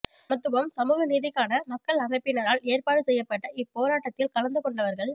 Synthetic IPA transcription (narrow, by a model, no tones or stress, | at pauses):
mɐt̪ːɯʋɐmsɐmuːɣɐniːðɪkːaːnɐmɐkːɐɭɐmɐɪpːɪnɐɾaːleːɾpaːɽɯsɛjːɐpːɐʈːɐɪpːoːɾaːʈːɐt̪ːɪlkɐlɐnd̪ɯkɔɳɖɐʋɐɾɣɐɭ